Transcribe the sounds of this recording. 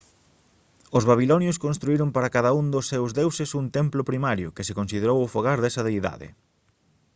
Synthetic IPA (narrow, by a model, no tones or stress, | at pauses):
ʊzβaβ̞ilɔnjʊskõnst̪ɾuiɾʊmpaɾɐkaðɐund̪ʊsːewzðewsesunt̪emplʊpɾimaɾjʊkɪsekonsið̞eɾowʊfoɣaɾðɛsɐðejða̰ðɪ̰